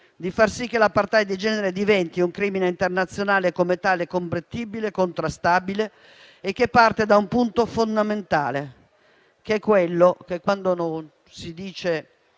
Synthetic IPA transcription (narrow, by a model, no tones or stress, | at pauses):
d̪ifarsik̟ːelapart̪ajad̪id͡ʒɛːneɾed̪ivɛnt̪iuŋkɾiːmineint̪ernat̪sːjonaːlekomet̪aːlekompɾet̪ːiːbilekont̪ɾast̪aːbileː | k̟ːepːart̪ed̪aumpunt̪ofond̪ament̪a̰ːle | k̟ɛkːwelːok̟ekːwand̪onon | sid̪iːt͡ʃe